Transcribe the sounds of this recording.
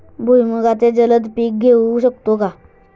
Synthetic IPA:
bʱujməɡat̪ed͡zələd̪piːk̚ɡʱeuɕəkt̪oka

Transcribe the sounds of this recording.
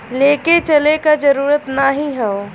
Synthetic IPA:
leːket͡ʃɐlekad͡ʒɐɾuːɾət̪naɦĩɦɛo

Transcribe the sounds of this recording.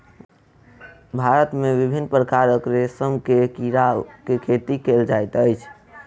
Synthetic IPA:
bʱaɾət̪meʋibʱinːpɾəkaɾəkɾesəmkekiɾakekʰet̪ikeld͡ʒajt̪əjt͡ʃʰ

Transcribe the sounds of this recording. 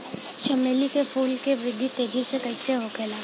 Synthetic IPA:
ʃɐmeːlikefuːlkeʋɾɪd̪ʱːit̪eːd͡ʒisekɐiseɦokʰeːlaː

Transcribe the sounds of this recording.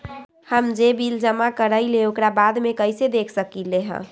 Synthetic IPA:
həmd͡ʒebild͡ʒəmakəɾəɪleokɾabad̪mekəjsed̪ekʰsəkileɦə̰̃

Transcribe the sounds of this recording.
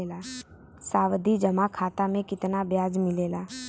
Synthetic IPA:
eːlaː | saːʋd̪id͡ʒəmakʰaːt̪amẽkɪt̪nabjaːd͡ʒmɪleːlaː

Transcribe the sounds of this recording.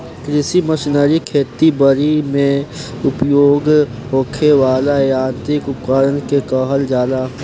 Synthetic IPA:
kɾɪsiməʃnəɾikʰeːt̪ibəɾimẽ | ʊpjoːɡɦoːkʰeʋaːlaeãːnt̪ɾɪkʊpkəɾənkekɔːɦəld͡ʒaːd̪a

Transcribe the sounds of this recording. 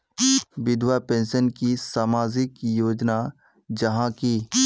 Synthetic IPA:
ʋɪd̪wapẽːnʃənkisaːmaːzɪkjoːd͡ʒna | d͡ʒɐɦãki

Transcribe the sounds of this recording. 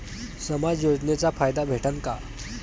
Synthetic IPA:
səmad͡zjod͡znet͡safajd̪abʱeʈʰənka

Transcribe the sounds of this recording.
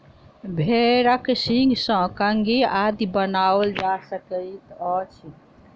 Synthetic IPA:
bʱeɾəksĩŋɡsə̃kəŋɡiad̪ibənabəld͡ʒasəkəit̪ɔt͡ʃʰi

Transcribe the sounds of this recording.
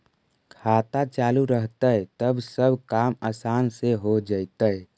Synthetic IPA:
kʰaːt̪at͡ʃaːluɾəɦt̪ət̪əbsəbʱkaːməsaːnseɦod͡ʒaɪt̪əj

